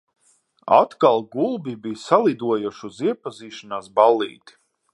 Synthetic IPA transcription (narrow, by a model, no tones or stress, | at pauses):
a̰t̪kalˠɡulˠbibijsalˠid̪uɔjuʃuziɛpaziːʃanaːsbalˠːḭːt̪i̥